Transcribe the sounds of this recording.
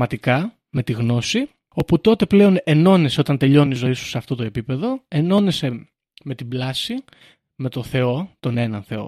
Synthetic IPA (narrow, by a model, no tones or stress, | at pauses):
mɐt̪ikɐ | me̞t̪iɣno̞si | o̞put̪o̞t̪e̞ple̞o̞ne̞no̞ne̞se̞o̞t̪ɐnt̪e̞ʎo̞niizo̞isu̥seɐft̪o̞t̪o̞e̞pipe̞ðo̞e̞no̞ne̞se̞ | me̞t̪iblɐsi | me̞t̪o̞nθe̞o̞t̪o̞ne̞nɐnθe̞o̰